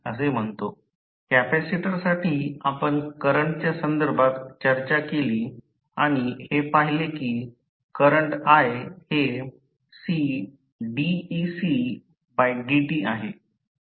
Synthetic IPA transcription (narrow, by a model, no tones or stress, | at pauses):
ə̰s̬em̤əɳt̪o | kæpæsiʈəɾsaʈʰiːapəɳkəɾəɳʈt͡ɕjasənd̪əɾbʱat̪t͡ɕəɾt͡ɕakeliː | aɽ̃ihepaɦilekiː | kəɾəɳʈaɦehe | si | ɖiːsi | bajɖiʈiːaɦe